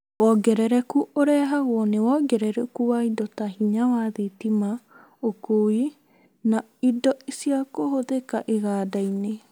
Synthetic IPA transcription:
wɔɡɛɾɛɾɛkuʔoɾɛɦaɣwɔnewɔɡɛɾɛɾɛkuwaidɔtahiɲawaðetima | okoi | na | idɔisiakoɦoðeka̰ʔeɣaːdaine

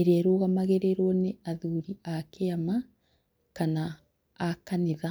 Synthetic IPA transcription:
eɾɛɾoːɣamaɣeɾeɾɔneaðuɾiakeama | kanaː | kaneða

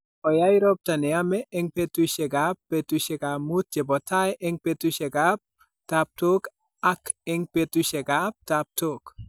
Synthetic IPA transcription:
ɔjajɾɔp̚tanɛamɛʔɛŋpetuʃɛɡapːetuʃɛɡamut̚t͡ʃɛbɔtʰajʔɛŋpetuʃɛɡap̚ | tap̚tok | akɛŋpetuʃɛɡap̚tap̚tok

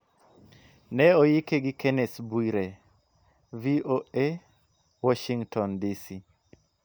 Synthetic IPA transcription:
nɛɔjikeɡikɛnɛsbuiɾe | vioe | wɔʃiŋtɔndisi

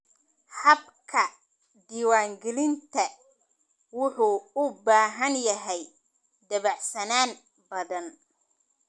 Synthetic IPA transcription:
hɐb | kʰɐ | d̪iːwaːŋɡɛlɪnt̪ʰɐ | wʊħuʊbaːɦɐnjɐɦɛj | d̪ɐβɐʕsɐnaːn | bɐðɐn

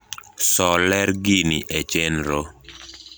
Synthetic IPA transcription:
sɔlɛɾɡiniʔet͡ʃenɾo

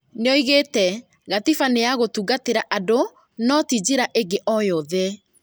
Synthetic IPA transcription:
neɔiɣetɛ | ɣatifaneaɣotuɡateɾaʔado | nɔtid͡ʑeɾaʔeɡeʔɔjɔðɛ

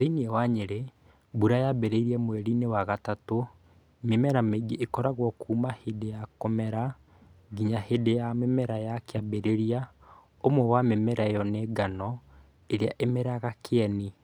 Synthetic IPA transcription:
ðeniɛwaɲeɾe | buɾajabeɾeiɾiɛmwɛɾinewaɣatato | memɛɾameɡiʔːkɔɾaɣwɔkuːmahedejakɔmɛɾa | ɡiɲahedejamemɛɾajakeabeɾeɾia | omwɛwamemɛɾajɔneɡanɔ | eɾea̰ʔemeɾaɣakʰeɛni

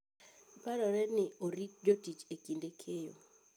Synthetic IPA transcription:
paɾɔɾɛnɪoɾitd͡ʒotit͡ʃekindekʰejo̰

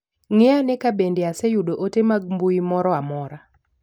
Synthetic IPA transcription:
ŋɪanɛkabendeasejudoʔotemaɡ̚mbuimɔɾɔamɔɾa

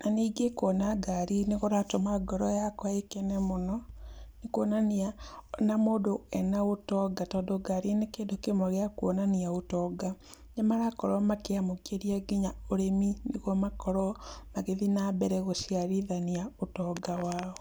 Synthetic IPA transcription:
naniːɡekɔnaɡaɾineɣoɾatomaɡɔɾɔjakwaekɛnɛmonɔnekwɔnanianamoːdoɛnaotɔɡatɔːdɔɡaɾinekeːndokemɔɣeakwɔnaniaotɔɡa | ɲamaɾakɔɾɔmakeamokeɾiaɡeɲaoɾemineɣɔmakɔɾɔmaɣeðinabɛɾɛɣoʃiaɾiðaniaotɔːɡawaːɔ

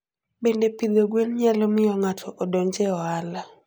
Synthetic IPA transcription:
bendepid̪oɡwenɲalɔmɪjɔŋatʰɔʔɔdɔɲd͡ʒeɔala

